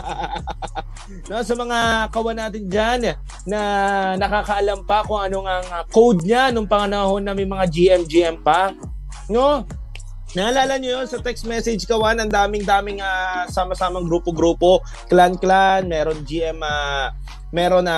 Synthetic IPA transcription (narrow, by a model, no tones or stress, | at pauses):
no̞sɐmɐŋakɐwɐnaːt̪ɪnd͡ʒanː | ɐnɐkaːkɐʔɐlampɐkʊŋʔɐno̞ŋɐŋɐkowd̪̚ɲanʊŋpɐŋɐnɐho̞nːɐmɐjmɐŋad͡ʒiʔɛmd͡ʒiʔɛmpɐ | no | nɐʔɐlaːlɐɲojonsɐt̪ɛksmɛsɛd͡ʒkɐwanɐnd̪aːmɪŋd̪aːmɪŋasaːmɐsaːmɐŋɡɾuːpoɡɾuːpo̞ | klanklanmɛːɾond͡ʒiʔɛmɐ | mɛːɾo̞nɐ